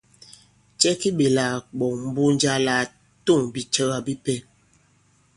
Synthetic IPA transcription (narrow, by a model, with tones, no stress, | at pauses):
t͡ʃɛ˦ki˦ɓe˨la˨k͡pɔ˨m̩˦bu˦n˦d͡ʒa˦la˦ | to˦˨ŋbi˨t͡ʃə˦ɣa˨bi˦pɛ˦